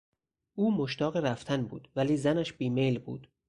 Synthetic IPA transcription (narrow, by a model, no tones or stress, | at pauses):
ʔuːmoʃt̪ɒːɣeɾæft̪ʰænbṵːd̪̥væliːzænæʃbiːmejlbṵːd̪̥